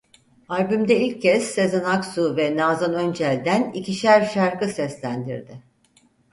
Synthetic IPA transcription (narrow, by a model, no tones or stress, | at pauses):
aɾʲbymd̪ɛilʲcʰːɛsːezanaksuvɛnaːzanønd͡ʒælʲd̪ænḭciʃæɾʃaɾkɯsɛslʲænd̪ḭɾd̪ɪ